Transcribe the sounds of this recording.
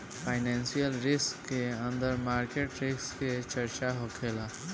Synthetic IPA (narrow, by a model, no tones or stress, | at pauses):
pʰaːɪnɛːnsijəlɾɪskːeə̃nd̪əɾmaːɾkeːʈɾɪksket͡ʃəɾt͡ʃaɦokʰeːlaː